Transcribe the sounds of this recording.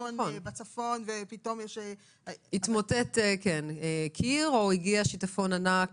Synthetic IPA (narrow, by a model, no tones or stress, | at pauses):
oonebat͡safonvepito̞mjɛʃe | hit̪motetekenekʰiʁo̞iɡiaʃitafo̞nanak